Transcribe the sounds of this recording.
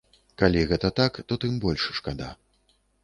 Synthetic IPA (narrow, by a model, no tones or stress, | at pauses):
kalʲiɣɛt̪ɐt̪akt̪ɔt̪ɨmbɔlʲʂʂkad̪a̰